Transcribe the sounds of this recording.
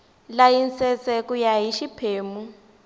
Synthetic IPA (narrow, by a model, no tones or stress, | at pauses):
lajinsɛt͡sɛkujaɦiʃipʰeːmu